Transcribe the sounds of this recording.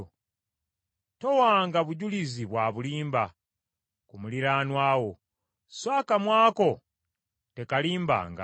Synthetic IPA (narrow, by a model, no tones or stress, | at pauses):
to̞waːŋɡaβuɟuliziβwaːβuliːmba | kumuliɾaːnwaːwo̞ | swaːkamwaːko̞ | te̞kaliːmba̰ːŋɡa̰